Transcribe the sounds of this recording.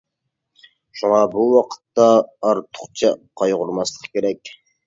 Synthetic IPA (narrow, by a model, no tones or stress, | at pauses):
ʃuŋɑbuwɑqʰə̥t̪ːɑːɾt̪ʰʊ̥χt͡ʃʰɑqʰɑjʁʊɾmɑslˠəqʰə̥kʲeɾɛkʲ